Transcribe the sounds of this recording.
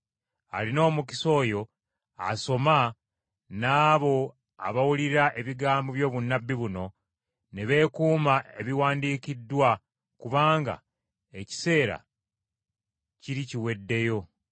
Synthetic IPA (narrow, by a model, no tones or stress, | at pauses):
a̰lino̞ːmuki̥so̞ːjo̞ | a̰so̞ma | naːβo̞ | a̰βawuliɾaʔe̞βiɡaːmboβjo̞ːβunːabːiβuno̞ | ne̞βe̞ːkuːmae̞βiwaːndiːkidːwa | kuβaːŋɡa̰ | eci̥se̞ːɾa̰ | ciɾiciwe̞dːe̞jo̞